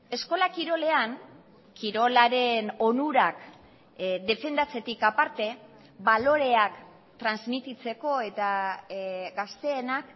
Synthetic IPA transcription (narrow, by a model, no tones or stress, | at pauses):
e̞sko̞lakiɾo̞le̞aŋ | kiɾo̞laɾe̞no̞nuɾak | ðe̞fe̞nd̪at͡se̞t̪ikapaɾt̪e̞ | βalo̞ɾe̞ak | t̪ɾanzmit̪it͡se̞ko̞e̞t̪a | ɡast̪e̞ːnak